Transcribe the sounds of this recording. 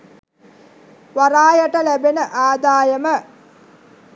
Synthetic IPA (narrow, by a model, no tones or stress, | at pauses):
ʋaɾaːjəʈəlæbenəʔaːd̪aːjəmə